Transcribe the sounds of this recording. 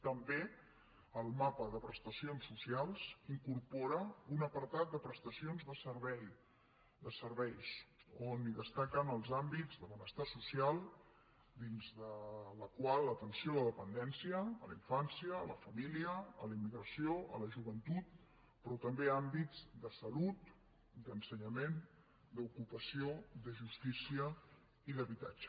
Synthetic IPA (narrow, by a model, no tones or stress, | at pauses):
t̪əmbe | əlˠmapəðəpɾəst̪əsionsːusialˠz̥iŋkuɾpɔɾəunəpəɾt̪at̪̚d̪əpɾəst̪əsionzðəsəɾβɛj | d̪əsəɾβɛjsoniðəst̪akənəlˠzambid͡zðəβənəst̪asusialˠ | d̪inzðələkwalˠːət̪ənsioləðəpənd̪ɛnsiəːləiɱfansiəːlə̰fəmiliəːlimːiɣɾəsioʔə̰ləʒuβənt̪ut̪̚ | pɾɔt̪əmbeambid͡zd̪əsəlut̪ | d̪ənsəɲəmen | d̪əukupəsiod̪əʒust̪isiə | iðəβit̪a̰d͡ʒə̥